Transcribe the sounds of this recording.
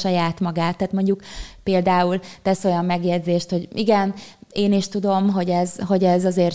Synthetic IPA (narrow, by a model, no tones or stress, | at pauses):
ʃɒjaːt̪mɒɡaːt̪ːaːt̪mo̞ɲɟukpeːld̪aːult̪ɛso̞jɒmːɛɡjɛd̪zeːʃt̪ho̞ɟiɡɛneːniʃt̪ud̪o̞mɦo̞ɟɛzɦo̞ɟɛzɒzeːr